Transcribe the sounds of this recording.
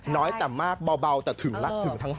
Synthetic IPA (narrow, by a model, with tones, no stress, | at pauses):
nɔ˨˦jt̪aː˨˩maː˧k̚ɓa˨˩wɓa˨˧˩wt̪aː˧˩t̪ʰɨ˨˩əŋlaː˨˦˥k̚t̪ʰɨ˨˩əŋt̪ʰaː˨˦ŋ